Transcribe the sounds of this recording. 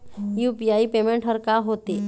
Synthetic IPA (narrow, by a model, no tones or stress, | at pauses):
juːpijaːipeːmẽɳʈɦəɾkaɦoːt̪e